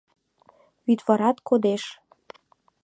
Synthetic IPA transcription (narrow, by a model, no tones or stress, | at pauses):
yt̪βɑɾɑt̪kod̪eʃ